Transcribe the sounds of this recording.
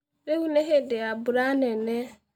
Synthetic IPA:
ɾeɣuneɦedɪabʊɾanene

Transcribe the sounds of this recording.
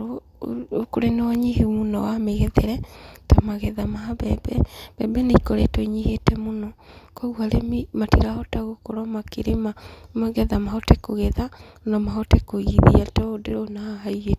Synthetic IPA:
ɾo | koɾenɔɲihemunɔwameɣɛðeɾɛtamaɣɛðamaabɛbɛb̥ɛbɛneikoɾɛ̰toiɲihetɛmonɔkɔɣwalemimatiɾahɔtaɣokoɾɔmakeɾemamaɣɛðamahɔtɛkoɣɛða | nɔmahɔtɛkoɣiðḭatɛodeɾonahaiɣe

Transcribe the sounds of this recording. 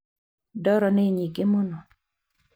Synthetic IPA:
dɔɾɔneɲiɡɪmonɔ

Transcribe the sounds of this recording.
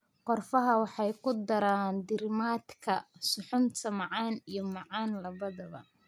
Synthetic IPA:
qɔrfɐɦɐwɑħɑjkʰʊd̪ɐɾaːnd̪ɪɾmaːd̪kʰɐsʊħʊnt̪ʰɐmɑʕɑːnijɞmɑʕɑːnlɐβɐðɐβɐ̰

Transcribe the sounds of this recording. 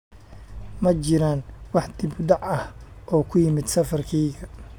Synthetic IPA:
mɐt͡ʃɪɾaːnwɑħd̪̥ɪbɖ̪ɑʕɐh | ʔɔːkʰʊjɪmɪd̪sɐfɐrkʰɛːɣɐ

